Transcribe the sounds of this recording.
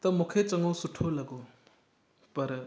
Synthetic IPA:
t̪ɐmukʰet͡sɐŋɡosuʈʰːolaɡo | pɐɾ

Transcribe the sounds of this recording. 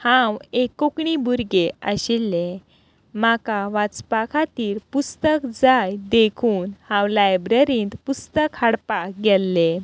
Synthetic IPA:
hãwekokɳibuɾɡeəɕilːe | makaʋat͡spakʰat̪iːɾpust̪əkd͡zajd̪ekʰuːnhãwlajbɾəɾĩːnt̪pust̪əkhəɽpakɡɛlːe

